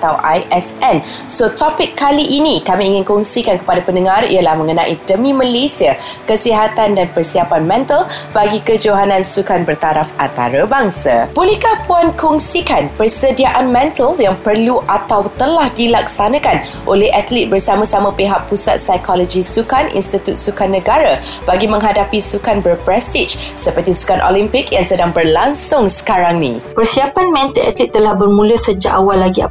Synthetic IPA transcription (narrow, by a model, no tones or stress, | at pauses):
at̪awʔajʔɛsɛn | sot̪ɔpɪkːaliʔinikamiːŋɪnkɔŋsikankə̥padapəndəŋãrḭalahmə̃ŋənãʔḭdəmĩməlesia | kəsiɦat̪andanpərsiapanmɛ̃nt̪əlbaɡikəd͡ʒoɦanãnsukanbərt̪aɾafant̪a̰ɾabaŋsa̰b̥olihkahpuankɔŋsikanpərsədiaʔanmɛ̃nt̪əljaŋpərluʔat̪awt̪əlahdilak̚sanãkan | ʔo̰lɛhʔat̪lit̪̚bərsamãsamãpeɦaʔpːusa̰t̪̚sajkʰɔlɔd͡ʒisukanʔḭnst̪it̪ut̪̚sukanːə̃ɡaɾa | baɡimə̃ŋɦadapisukanbərpɾɛst̪it͡ʃ | səpərt̪isu̥kanʔo̰limpɪkjaŋsədaŋbərlaŋsʊŋsə̥kaɾaŋnḭ̃pərsiapanmɛ̃nt̪əʔat̪lit̪̚ːəlahbərmũləsəd͡ʒa̰ʔawalːaɡia̰